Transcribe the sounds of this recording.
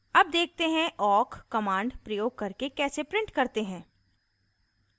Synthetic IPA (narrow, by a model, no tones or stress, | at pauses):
ɐb̚d̪eːk̚ʰt̪eɦɛ̃ʔɔːkːɐmãːɳɖpɾɐjoːɡ̚kɐɾkekɛːsepɾɪ̃ɳʈkɐɾt̪eɦɛ̃ː